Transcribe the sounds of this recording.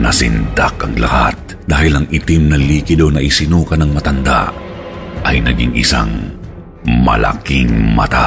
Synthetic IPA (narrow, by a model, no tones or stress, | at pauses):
nɐsɪ̰nd̪akɐŋla̰hat̪̚ | d̪aːhɪlɐŋʔɪt̪imnɐliːkɪd̪onɐʔɪsɪnuːkɐnɐŋmɐt̪ɐnd̪a̰ʔ | ʔɐjnɐɡɪŋʔɪsa̰ŋ | mɐlʔa̰kɪŋmɐt̪a